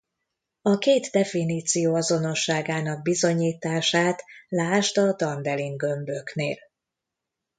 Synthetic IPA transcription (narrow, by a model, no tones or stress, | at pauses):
ɒkeːt̪d̪ɛfiniːt̪sijoːɒzo̞no̞ʃːaːɡaːn̪ɒɡ̚bizo̞ɲiːt̪aːʃaːt̪laːʃt̪ɒd̪ɒnd̪ɛliŋɡø̞mbø̞knḛːl